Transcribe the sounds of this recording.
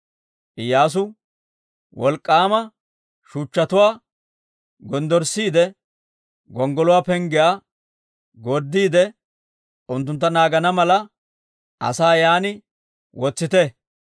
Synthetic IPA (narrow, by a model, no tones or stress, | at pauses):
ʔɪjːaːs̬ʊ | wɔlkʼːaːmɐ | ʃuːt͡ʃːɐt̪ʊwaː | ɡɔnd̪ɔɾsːiːd̪ɛ | ɡɔŋɡɔlʊwaːpɛŋɡɪjaː | ɡɔɾd̪ːiːd̪ɛ | ʊnt̪̬ːʊnt̪ːɐnaːɡɐnɐmɐlɐ | ɐ̰saːjaːnɪ | wɔt͡sːɪt̪ɛ